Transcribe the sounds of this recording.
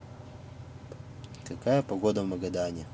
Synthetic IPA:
kɐkajəpɐɡod̪əvmɐɡɐd̪anʲɪ

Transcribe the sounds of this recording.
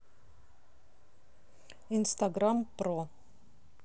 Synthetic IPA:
ɪnst̪aɡɾampɾoː

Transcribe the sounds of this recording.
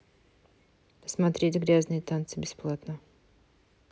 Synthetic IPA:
pə̥smat̪ɾʲetʲɡɾʲaznɨjət̪ant̪sɨbʲɪsplˠat̪nə

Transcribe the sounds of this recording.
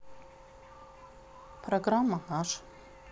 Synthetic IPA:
pʰroɡramːanaʂ

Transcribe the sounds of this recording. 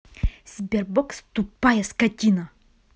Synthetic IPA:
sʲbʲerbɔkst̪upajɐskɐt̪ʲinɐ

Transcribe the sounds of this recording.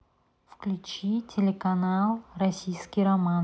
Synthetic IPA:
fklʲut͡ʃitʲʰelʲekanalˠrasʲijskʲiɾoman

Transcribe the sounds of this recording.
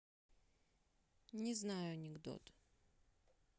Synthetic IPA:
nʲɪznajʊɐnʲɪɡd̪o̰t̪

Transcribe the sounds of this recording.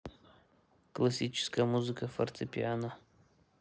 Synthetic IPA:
klˠɐsʲit͡ʃɪ̥skəjəmuzɨkəfɐ̰rt̪ʰɨpʲiana

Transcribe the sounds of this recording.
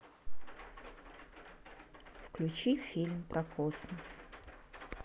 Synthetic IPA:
fklʲʊt͡ɕifʲilʲmpɾʔɐkʰoɔsməs

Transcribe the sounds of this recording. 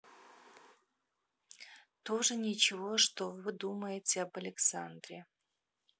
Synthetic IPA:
t̪oʐɨnʲɪt͡ɕɪvo̞ʂt̪ovɨd̪uməjɪtʲɪɐbɐlʲɪksand̪ɾʲe

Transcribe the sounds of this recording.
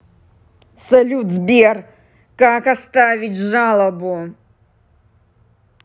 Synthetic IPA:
salʲud̪zbʲer | kakast̪avʲit͡sʲʐalˠɐbu

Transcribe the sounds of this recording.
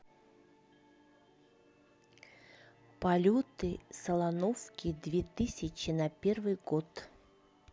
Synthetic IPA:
pɐlʲut̪ɨsɐlˠanofkʲɪd̪vʲet̪ɨsʲɪt͡ɕɪnɐpʲervɨjɡot̪

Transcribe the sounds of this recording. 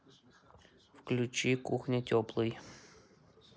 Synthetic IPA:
fklʲut͡ɕikuxnʲɪtʲɔplˠɨj

